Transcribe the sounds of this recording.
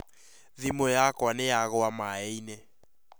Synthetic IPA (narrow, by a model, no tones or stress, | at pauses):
ðimɔjakwanɛjaɣɔwamaeinɛ